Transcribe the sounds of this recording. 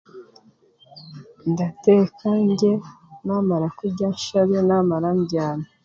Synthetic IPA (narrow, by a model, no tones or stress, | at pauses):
ndatekʰaɲɟe̞naːmaɾakuɟanʃaβenamaɾamɟaːna